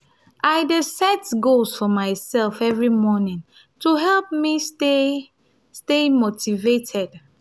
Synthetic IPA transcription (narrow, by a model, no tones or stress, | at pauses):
ʔaɪdesɛtɡolsfɔmaɪsɛlfɛvɹimɔnĩŋ | tuɦɛlˠp̚miste | stemotivetʰɛd̥